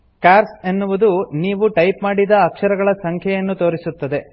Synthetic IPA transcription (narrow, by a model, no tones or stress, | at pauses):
kaːɾse̞nːuʋud̪uniːʋuʈɐjpmaːɽid̪ɐːkʂɐɾɐɡɐɭɐsɐŋkʰjɛjɐnːut̪o̞ːɾisut̪ːɐd̪e̞